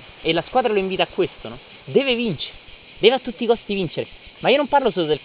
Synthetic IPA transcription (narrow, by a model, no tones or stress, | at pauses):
elːaskwaːd̪ɾaloiɱvit̪aːkːwest̪onɔ | d̪ɛːvevint͡ʃe̥ɾ | d̪ɛːveat̪ːut̪ːikɔst̪ivint͡ʃeɾemaiːonomparlosoːlod̪el